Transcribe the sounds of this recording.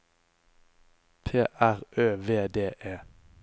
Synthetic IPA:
pʰeːʔæʁʔøːʋeːd̪eːʔeː

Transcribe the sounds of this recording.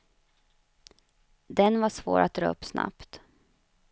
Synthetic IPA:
d̪ɛnvaʂvoːɾʔat̪̚d̪ɾœ̰ːɵpːsna̰pt̪

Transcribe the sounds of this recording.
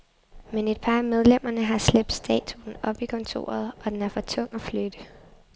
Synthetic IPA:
mene̝d̥̚pʰɑ̈ːmeð̞ˠlem̰ɐnəɦɑ̈sleb̥̚d̥sd̥ɛ̰ːt͡sʰuːn̩ɒ̽b̥ikʰɒ̽nt͡sʰo̝̰ːɐð̞̩ˠʔɒ̽d̥enæɐfɒ̽t͡sʰɔ̽ŋ̰ɒflød̥ə

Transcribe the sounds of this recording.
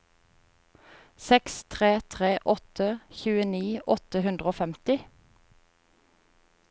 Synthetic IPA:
sɛkst̪ʰʁeːt̪ʰʁeːʔɔt̪ʰəçʉːəniːʔɔt̪əhʉnd̪ʁəoːfɛmt̪ɪ

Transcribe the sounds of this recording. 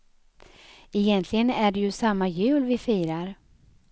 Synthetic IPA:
ɛjɛnt̪ʰlɪɡənæɖɛjɵsamːajʉ̟ːlvɪfiːɾaɾ

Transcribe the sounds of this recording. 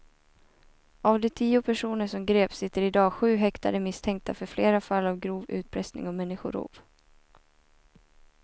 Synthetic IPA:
avd̪ɛt̪ʰiːʊpʰæʂuːnəʂɔmɡɾeːpsɪt̪ːəɾɪd̪ɑːɧʉ̟ːɦɛkt̪ad̪əmɪst̪ʰɛŋk̚t̪ʰafœɾfleːɾafalːavɡɾuːvʉ̟̰ːt̪̚pʰɾɛsnɪ̰ŋɔmɛnːɪɧʊ̰ɾṵːv

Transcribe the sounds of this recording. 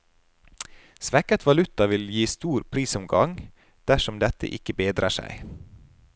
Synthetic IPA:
sʋɛkət̪ʰʋɑlʉt̪ɑʋɪljiːst̪uːɾpʰɾiːsɔmɡɑŋ | d̪̥æʃɔmd̪ɛt̪ə̰ʔɪkəbeːd̪ɾɑ̰ʃæ̰ɪ

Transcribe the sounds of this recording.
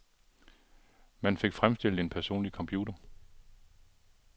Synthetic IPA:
mænfe̝ɡ̥fʁamsd̥el̰e̝npʰæɐso̝̰ːnlikʰɒ̽mpʰjuːd̥ɐ

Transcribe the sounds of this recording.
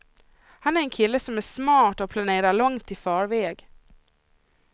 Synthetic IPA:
hanæɾɛnkʰɪlːəsɔmæʂmɑːʈɔpʰlaneːɾaɭɔŋt̪ʰɪfɑːɾvɛːɡ

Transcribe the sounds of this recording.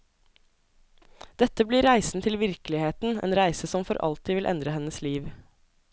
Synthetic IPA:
d̪̥ɛt̪əbliːɾæɪsn̩t̪ʰɪlʋɪɾklɪheːt̪n̩ḛːnɾæɪsəsɔmfɔɾʔɑ̰lt̪ʰɪːʋɪlʔɛ̰nd̪ɾəhɛnəsliːʋ

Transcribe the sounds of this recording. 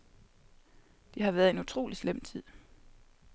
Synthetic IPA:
d̥iɦɑ̈ʋæːɐð̞̩ˠe̝nut͡sʰʁo̝̰ːlislem̰t͡sʰið̰ˠ

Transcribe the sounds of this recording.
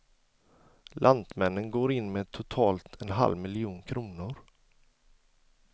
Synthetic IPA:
lʔand̪mɛnːənɡoːɾɪnːmeːt̪ʰʊt̪ʰɑːlt̪ʰɛnɦa̰lvmɪlɪuːnkʰɾuːnʊɾ

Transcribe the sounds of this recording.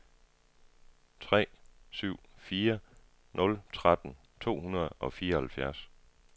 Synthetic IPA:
t͡sʰʁɛ̰ːsyʊ̰fiːɐ | nɔ̽lt͡sʰʁad̥n̩ | t͡sʰo̝̰ːhunɐð̞̩ˠɒ̽fiːɐɒhælfjæɐs

